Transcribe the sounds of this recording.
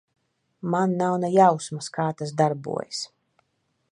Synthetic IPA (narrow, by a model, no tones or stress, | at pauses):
manːawnɛjawsmaskaːt̪as̬d̪aɾbṵɔjs